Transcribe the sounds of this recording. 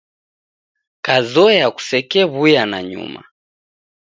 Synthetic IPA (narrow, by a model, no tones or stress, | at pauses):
kazɔjaku̥sɛkɛβujana̰ɲṵma̰